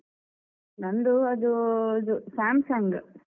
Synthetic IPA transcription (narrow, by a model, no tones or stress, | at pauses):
nɐnd̪uɐd̪uɐd̪usaːmsɐŋɡ